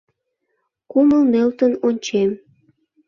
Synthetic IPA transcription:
kuməlmølt̪ənonʲt͡ɕem

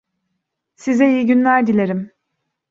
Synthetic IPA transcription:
sizɛijɟynlʲæɾd̪ilʲeɾim

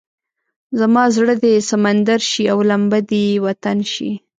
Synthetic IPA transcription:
zamɑzɽəd̪esamand̪aɾʃiawlambad̪iwat̪anʃḭ

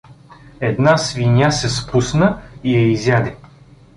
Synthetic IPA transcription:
ɛd̪nasvinʲasɛspusnəiɛizjad̪ʲɛ

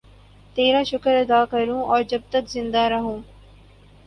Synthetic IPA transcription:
t̪eːɾaːʃʊkəɾɐd̪aːkɐɾũːɔːɾd͡ʒɐb̚t̪ɐkzɪ̃nd̪aɾɐɦũː

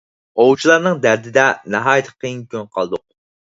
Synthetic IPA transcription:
owt͡ʃʰilˠɑɾnɨŋd̪æɾd̪ɪd̪ɛnɑɦɑːjɪt̪ʰə̥qʰejiŋkʲʰønqʰɑlˠɨd̪ʊq̚

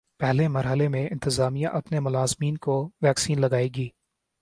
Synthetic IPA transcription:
pɛɦlemɐɾɦəlemẽɪ̰̃nt̪ɪzaːmijãʔɐpnemʊlaːzmiːnkoʋɛːksiːnlɐɡaːeːɡiː

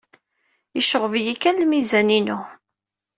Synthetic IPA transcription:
jəʃəʁvjikælmizæninu

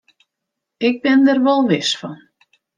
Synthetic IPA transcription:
ɪk̚bɪndɛrʋɔlˠʋɪsfɔn

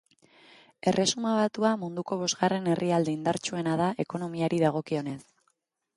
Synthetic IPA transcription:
e̞rʔe̞sumaβ̞at̪uamund̪uko̞β̞o̞zɣare̞ne̞riald̪eind̪aɾt͡ʃue̞nað̞aʔe̞ko̞no̞miaɾiðaɣ̞o̞kio̞ne̞s

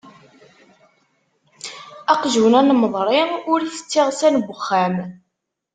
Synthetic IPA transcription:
æqʒwnænməðˤɾˤɪʊɾθə̥t͡sːɪʁsænɡʷəxːæm

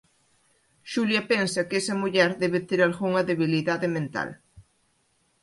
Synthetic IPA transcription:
ʃuljɐpensɐkesɐmuʎɛɾðɛβet̪eɾalɣuŋɐðeβiliðaðɪmẽnt̪a̰l

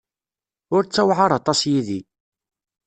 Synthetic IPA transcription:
ʊɾt͡sːæwʕɑɾˤɑt̪ˤɑsjiði

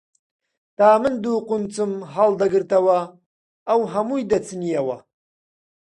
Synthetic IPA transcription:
t̪ʰaːmɨnd̪uːqʊnt͡sʰʼɨmɦald̪aɡɨɾt̪ʰawaː | wɦamujd̪at͡sʰɨnijawa̰

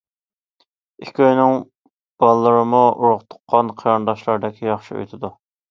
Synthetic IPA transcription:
ikʲʰøjnɪŋ | b̥ɑlˠːəɾɨmuuɾʊʁt̪ʰʊ̥qʰːɑnqʰɑɾɑnd̪ɑʃlˠɑɾd̪ɪkʲʰijɑχʃiø̰jt̪ʰɪd̪u

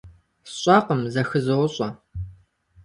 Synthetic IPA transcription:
ɕʼɑqəmzɐxɨzɨwʊɕʼɐ

